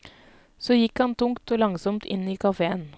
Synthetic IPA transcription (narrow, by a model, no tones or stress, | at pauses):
soːjɪkhɑnt̪ʰʊŋkt̪oːlɑŋsɔmt̪ʰɪ̰nːiːkʰɑfeːən